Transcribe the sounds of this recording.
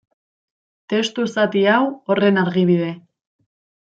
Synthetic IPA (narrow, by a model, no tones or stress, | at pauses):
t̪e̞st̪usat̪iawo̞re̞naɾɣiβ̞ið̞e̞